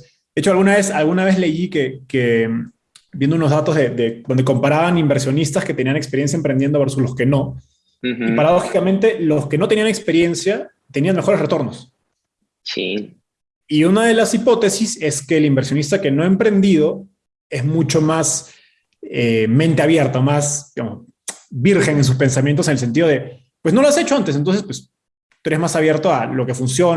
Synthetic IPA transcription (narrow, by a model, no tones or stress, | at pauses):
d̪eet͡ʃoalɣunaβesalɣunaβ̞e̞zle̞ikekem | bjend̪ounozðat̪o̞zðe̞ðed̪ond̪eko̞mpaɾaβanimbe̞ɾsjo̞nist̪asket̪e̞nianekspɾjens̬jaempɾend̪jed̪o̞βeɾsuslo̞ske̞no̞ | ipaɾaðo̞xikamẽnt̪e̞loske̞no̞t̪eniane̞kspe̞ɾje̞nsja | t̪e̞nianmexo̞ɾesre̞t̪o̞ɾno̞s | sḭ | iunað̞e̞lasipo̞t̪e̞sise̞ske̞ːlimbeɾsjo̞nist̪ake̞no̞aempɾe̞nd̪ið̞o̞ | e̞zmut͡ʃo̞mas | emẽ̞nt̪e̞aβje̞ɾt̪aomasd̪iɣa̰mos | biɾxe̞ŋens̬uspe̞ns̬amjent̪osenels̬ent̪iðo̞ðe | pwesno̞loase̞t͡ʃo̞ant̪esent̪o̞nsespwes | t̪ueɾe̞zmasaβje̞ɾt̪oalo̞ke̞funs̬jo̞